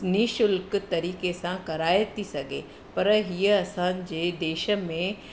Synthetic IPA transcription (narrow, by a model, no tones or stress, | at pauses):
niʃʊlkt̪ɐɾiːkesãkɐɾaːet̪ʰisɐɡʱḛ | pɐɾɦiəɐsãːd͡ʑeːd̪eːʃə̆mẽ